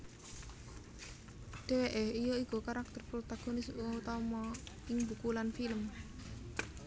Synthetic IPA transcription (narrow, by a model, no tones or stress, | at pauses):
d̪̥e̤weʔɛhijoiɡokaɾak̚t̪ərpɾot̪aɡ̥onɪsut̪ɔmɔɪŋbukulanfiləm